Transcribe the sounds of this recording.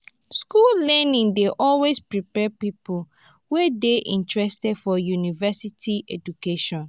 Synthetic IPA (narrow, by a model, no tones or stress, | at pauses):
skullɛnĩŋdeʔɔlwespɹipɛpipu | wɛdeʔḭ̃ntɹɛstɛdfɔjunivɛsitʰiʔɛd͡ʒukeʃɔ̃n